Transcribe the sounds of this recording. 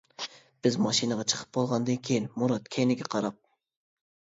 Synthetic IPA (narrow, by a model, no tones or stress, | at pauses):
b̥ɪzmɑʃinɨʁɑt͡ʃʰə̥qʰə̥p̚bolˠʁɑnd̪ɨnkʲʰejinmuɾɑt̪kʲʰɛnɪɡʲɛqʰɑɾɑp̚